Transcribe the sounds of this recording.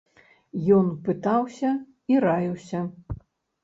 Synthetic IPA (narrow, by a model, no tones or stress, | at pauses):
jɔnpɨt̪awsʲɐ | iɾajiwsʲɐ